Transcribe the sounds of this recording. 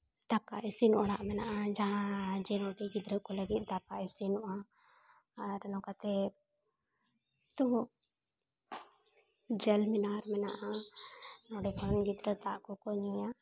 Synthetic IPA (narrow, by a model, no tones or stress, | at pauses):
d̪akaʔisinɔʔaɾaʔmɛnaʔad͡ʒaɦãd͡ʒɛnɔɖiɡid̪ɾət̪̚kɔləɡit̪̚ˀd̪apaʔɛsinɔʔa | ɾɛnɔkat̪ɛ | t̪ubɔʔ | d͡ʒɛlminaɾmɛnaʔa | nɔɖɛkʰɔnɡid̪ɾət̪aʔkɔkɔɲija